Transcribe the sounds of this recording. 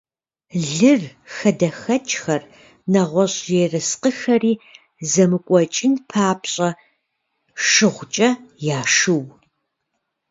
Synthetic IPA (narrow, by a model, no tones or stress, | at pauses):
ɮɨrxɐdɐxɐt͡ʃʼxɐr | nɐʁʷɔɕʼjeːrɨsqəxɐriː | zɐmɨkʷʼɔt͡ʃʼɪnpʰaːpɕʼɐ | ʂɨʁʷt͡ʃʼɐjaːʂɨw